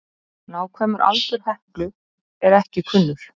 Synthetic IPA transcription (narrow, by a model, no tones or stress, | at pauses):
naːwkʰvɛːmʏɾʔa̰lt̪ʏɾ̥hɛhklʏ | ɛɾɛhcɪkʰʏnːʏɾ̥